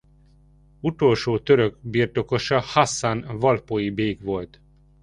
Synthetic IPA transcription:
ut̪o̞lʃoːt̪øɾøɡbiːrt̪o̞ko̞ʃɒhasːanvɒlpojibeːɡʋo̞lt̪

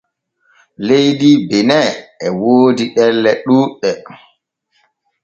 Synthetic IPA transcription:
lejdibɛnɛɛwoːdiɗɛlːɛɗuːɗɛ

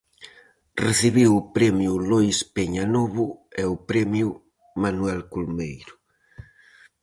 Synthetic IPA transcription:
reθiβiwupɾɛmjulɔjspeɲanɔβuɛupɾɛmju | manwɛlkulmejɾʊ

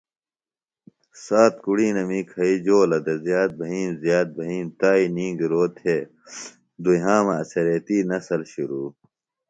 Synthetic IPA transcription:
saːt̪kuɽiːnɐmikʰɐid͡ʑoːlɐd̪ezjaːt̪̚bʱɐɦĩːnzjaːt̪̚bʱɐɦĩːnt̪aːinĩːŋɡɾoːt̪ʰeː | d̪uɦãːmɐɐsɐɾet̪iːnɐsɐlɕuɾuː

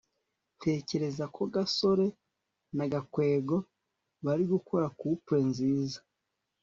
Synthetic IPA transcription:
tʰe̞ːce̞ɾe̞zakʰo̞ɡaso̞ɾe̞ | naɡakwe̞ːɡo̞ | βaɾiɡukʰoɾakupɾe̞nziːzḁ

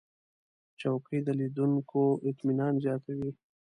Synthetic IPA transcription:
t͡ʃawkid̪əlid̪uŋkʰoʔɪt̪minɑnzjɑt̪awi

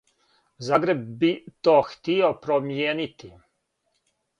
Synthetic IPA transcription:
zaːɡɾe̞b̚bit̪oːxt̪iopɾomjeːnit̪i

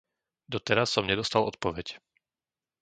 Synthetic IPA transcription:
d̪ɔt̪ɛɾasːɔmɲɛd̪ɔst̪alɔt̪̚pɔʋɛc

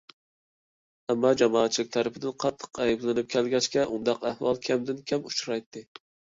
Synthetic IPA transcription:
æmːɑd͡ʒɑmɑːt̪t͡ʃʰːilɪkʲt̪ʰæɾɪpɪd̪ɪnqʰɑt̪ʰːɨ̥qʰæjiblɪnɪp̚kʲʰælɡʲɛt͡ʃkʲɛʔund̪ɑqʰæhwɑlˠkʲʰɛmd̪ɪnkʲʰɛmut͡ʃɾɑjt̪ʰːɪ

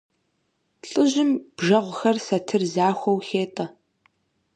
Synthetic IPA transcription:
ɬʼɨʑɪmb̥ʒɐʁʷʊxɐrsɐtʰɨrzaːxʷɔwxeːtʼɐ

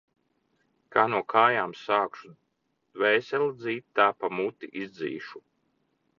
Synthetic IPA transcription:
kaːnuɔkʰaːjaːmsaːkʃu | d̪̥vɛjsʲɛld̪ziːt̪ʲt̪ːaːpamut̪ːiʔizd̪zḭːʃu̥

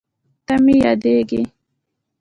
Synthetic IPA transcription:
t̪amijɑd̪eɡi

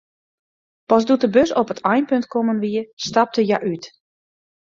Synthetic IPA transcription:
pɔsdutəbøsɔpətʰajnpøntkomənʋiəstap̚təjaʔyt

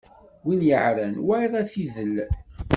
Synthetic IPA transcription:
winjəʕɾænwæjðˤæθiðəl

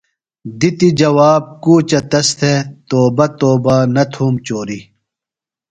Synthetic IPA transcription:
d̪it̪id͡ʑɐwaːb̚kuːt͡ɕɐt̪ɐst̪ʰet̪oːbɐt̪oːbaːnɐt̪ʰuːmt͡ɕoːɾi

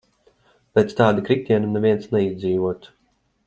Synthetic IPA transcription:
pʲɛt̪st̪aːd̪ɨkɾikʲt̪ʲiɛnunɛvʲiɛnt̪snɛizʲd̪ziːvuɔt̪

